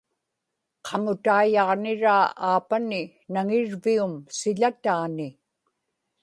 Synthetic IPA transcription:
qʰɑmʊt̪aːjɑʁnɪɻaːaːpanɪ | naŋɪɻviʊmsɪʎat̪aːnɪ

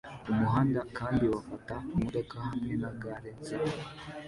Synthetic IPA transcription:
umuɦaːndakʰaːndiwafataumuɾekahamŋenaɡaɾenzi

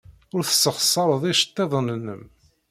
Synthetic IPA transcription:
ʊɾθə̥sːəχsˤːɑɾˤəðˤiʃə̥t̪ːeðˤənənːəm

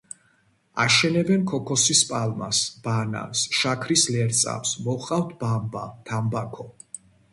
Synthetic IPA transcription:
a̰ʃɛnɛbɛnkʰɔkʰɔsispʼalˠma̰sb̥ana̰nsʃakʰɾislɛɾt̪sʼa̰psmɔχʼaft̪ʰbamba̰t̪ʰambakʰɔ

